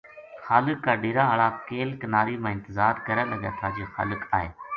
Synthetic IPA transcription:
xaːlɪkːaːɖɪːɾaːɦəɭaːkeːlkənaːɾiːmãːɪ̃nt̪ɪzaːɾkəɾə̃ləɠa̰ːt̪ʰaːd͡ʒoːxa̰ːlɪkaːɦeː

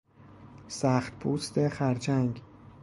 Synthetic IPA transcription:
sæːxt̪pʰuːst̪ʰe̞xæɾt͡ʃʰæŋɡ

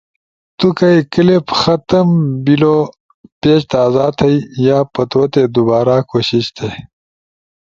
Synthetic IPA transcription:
t̪ukɐikəlepxɐt̪ɐmbilo | peːɕt̪aːzaːt̪ʰɐijaːpɐt̪ot̪ed̪ubaːɾaːkoːɕiɕt̪ʰe

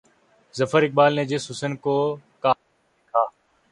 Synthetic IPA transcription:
zəfəɾɪk̚baːlneːd͡ʒeːsʊsənkoːkaː | kʰaː

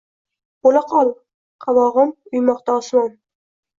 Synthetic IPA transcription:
bolaqʰɒlˠ | qʰɑvɒʁɨmʊjmɒqt̪aɒsmɑn

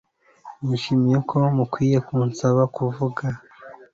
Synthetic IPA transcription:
muʃimijekʰo̞mukwiːje̞kuːnsaβakuvuɡa

